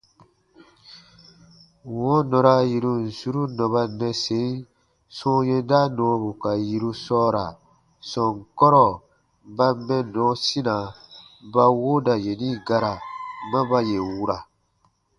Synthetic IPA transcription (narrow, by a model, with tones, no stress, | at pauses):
wɔ̃˦nɔ̃˨ɾa˧ji˨ɾu˧n̩˨su˦ɾu˦nɔ̃˨ba˧nɛ̃˧se˦i˦ | sɔ̃˦jẽ˦da˦nɔ̃˨˦bu˨ka˨ji˨ɾu˧sɔː˦ɾa̰˨ | sɔ̃˨ŋ˨kɔ˦ɾɔ˨ | ba˦mɛ̃˦nɔ̃ː˨˦sĩ˦nã˨ba˦wo˦da˨je˨nĩ˦ɡa˦ɾa˨mã˦ba˦je˨wu˦ɾa˨